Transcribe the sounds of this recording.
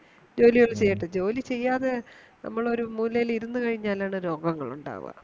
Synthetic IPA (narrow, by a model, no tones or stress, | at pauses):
d͡ʑo̞ːliɣɐɭt͡ɕe̞jːiʈːɨd͡ʑo̞ːlit͡ɕe̞jːaːðenʔɐ̰mːɐɭo̞ɾumuːlːɐjliɾunːukɐɻiɲːaːlaːɳɨɾo̞ːɡɐŋːɐɭṵɳɖa̰ːʋɨ̰